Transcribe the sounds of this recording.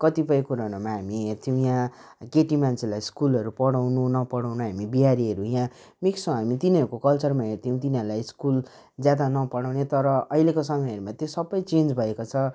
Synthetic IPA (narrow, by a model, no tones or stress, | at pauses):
kʌt̪ipʌjkuɾanomaɦamiɦeɾt̪ʰiũjã | keʈimant͡sʰelajskulʌɾupʌɽawnunʌpʌɽawnaɦamibiɦaɾiɦʌɾujã | miksõɦamit̪iniɦʌɾukokʌlt͡sʌrmaɦeɾt̪ʰiũt̪iniʌɾulajskul | d͡zjad̪anʌpʌɽawnet̪ʌɾʌʌɦilekosʌmʌjʌɾumat̪josʌbʌjt͡send͡zbʱʌekot͡sʰʌ